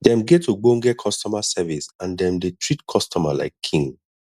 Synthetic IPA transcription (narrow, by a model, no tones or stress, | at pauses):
dɛ̃mɡɛtʰuɡ͡bõŋɡɛkʰɔstɔmasɛvisãndɛ̃mdetʰɹitkʰɔstʰɔma̰la̰ɪkʰːĩŋ